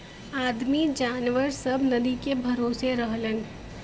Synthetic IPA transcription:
aːd̪mid͡ʒaːnʋəɾsɐbnɐd̪ikebʱɐɾoːseɾɐɦlən

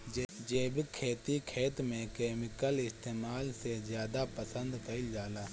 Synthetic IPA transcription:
d͡ʒd͡ʒeːbkʰeːt̪ikʰeːt̪mẽkeːmɪkəlɪst̪eːmaːlsezjaːd̪apəsə̃nd̪kɐid͡ʒaːlaː

